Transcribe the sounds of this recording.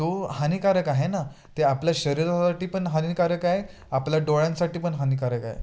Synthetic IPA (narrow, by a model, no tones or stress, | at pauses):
t̪ohanikaɾəkaɦena | t̪eapljaɕəɾiɾsaʈiːpəɳɦanikaɾəkaɦe | apljaɖoɭãnsaʈiːpəɳɦanikaɾəkaɦḛ